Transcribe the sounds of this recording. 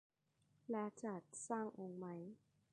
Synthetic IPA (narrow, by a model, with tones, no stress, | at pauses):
lɛː˦˥t͡ɕaː˨˩t̪̚saː˥˩ŋʔo˧ŋma˦˥j